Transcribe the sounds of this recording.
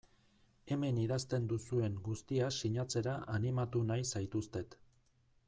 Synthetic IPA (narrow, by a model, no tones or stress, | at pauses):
e̞me̞niðast̪e̞nd̪usue̞ŋɡust̪iasiɲat͡se̞ɾaʔanimat̪unajsajt̪ust̪e̞t̪